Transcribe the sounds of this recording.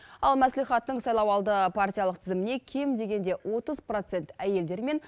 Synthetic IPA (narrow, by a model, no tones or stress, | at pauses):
ɑlˠmæslijχɑt̪ːəɴsɑjlˠɑwɑlˠd̪əpʰart̪ʲijɑlˠəqt̪ʰɪzɪmɪne̞kʲʰe̞md̪e̞ɡʲe̞nd̪e̞wʔo̞t̪əzpro̞t̪se̞nt̪æje̞ld̪e̞ɾme̞n